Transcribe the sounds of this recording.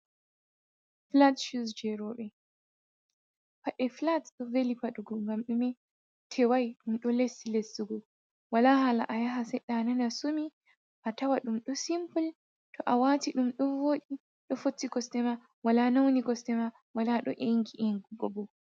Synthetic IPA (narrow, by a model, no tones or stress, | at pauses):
flatʃusd͡ʒɛɾɔɓɛ | paɗɛflatɗɔvelipaɗuɡɔŋɡamɗumɛ | tʰɛwajɗumɗɔlesːilesːiɡɔ | walaɦalaʔajaɦasɛjɗananasumi | ʔatawaɗumɗɔsimpul | tʰɔʔawatiɗumɗɔvoːɗi | ɗɔfotːikɔstɛma | walanawniɡɔstɛma | walaɗɔ̰ʔeŋɡiʔeŋɡuɡɔbɔ